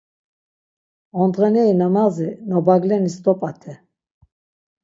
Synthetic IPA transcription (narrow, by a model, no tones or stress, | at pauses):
ɔnd̪ʁɛnɛinamazinɔbaɡlɛnisd̪ʼɔpʼat̪ʰɛ